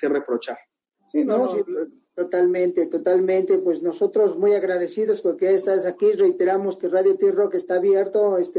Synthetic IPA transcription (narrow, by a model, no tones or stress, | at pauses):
kerepɾot͡ʃaɾ | sinosi | t̪ot̪almẽnt̪e̞t̪o̞t̪almẽ̞nt̪e̞pwe̞sno̞so̞t̪ɾo̞zmujaɣɾaðe̞siðoskoɾkeaest̪asakirejt̪e̞ɾamo̞skeraðjot̪irokest̪aːβje̞ɾt̪oest̪e